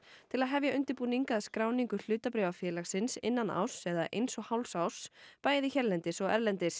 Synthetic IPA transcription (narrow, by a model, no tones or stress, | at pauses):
t̪ʰɪlaðɦɛvjaʏnt̪ɪɾpuːniŋkaːðskɾaːwniŋkʏl̥ʏːt̪apɾɛːvafjɛːlaxsɪnsɪ̰nːana̰wsɛɣðaʔḛjnsɔɣhawlsawspaːjðiçɛɾlɛnt̪ɪsɔɣɛɾlɛnt̪ɪs